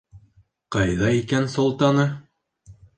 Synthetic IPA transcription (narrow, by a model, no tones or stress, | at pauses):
qɑjðɑikænsŏlˠt̪ɑnɤ